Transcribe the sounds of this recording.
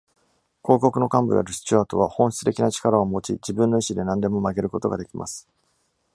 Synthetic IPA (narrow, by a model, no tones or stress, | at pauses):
ko̞ːko̞kɯ̟no̞kãmbɯ̟ja̰ɾɯ̟ɕɨ̥t͡ɕiaːt̪o̞β̞ahõ̞ɕʲt͡sɨ̥t̪e̞kʲinat͡ɕi̥kaɾaomo̞t͡ɕḭd͡ʑibɯ̟̃nːo̞iɕid̪e̞nãnd̪e̞mo̞maɡe̞ɾɯ̟ko̞t̪o̞ɡad̪e̞kʲimʔa̰sɨ̥